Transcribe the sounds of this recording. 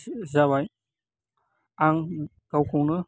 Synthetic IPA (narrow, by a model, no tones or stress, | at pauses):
zawaj | aŋ | ɡ̥awkʰuŋnɯ